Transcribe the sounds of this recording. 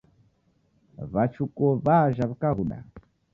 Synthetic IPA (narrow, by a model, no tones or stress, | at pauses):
βat͡ʃukɔβaʒaβikaɣuɗa̰